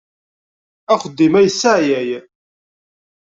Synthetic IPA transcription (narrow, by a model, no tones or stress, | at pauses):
æχəd̪ːimæjsːaʕjæj